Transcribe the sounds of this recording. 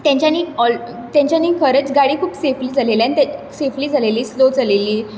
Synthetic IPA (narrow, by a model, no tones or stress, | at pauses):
t̪jãɲt͡ɕjaniːɔl | t̪jãɲt͡ɕjaniːkʰəɾət͡sɡaɽiːkʰuːpsefliːd͡zʱaleljanit̪esefliːd͡zʱaleliːslod͡zʱaleliː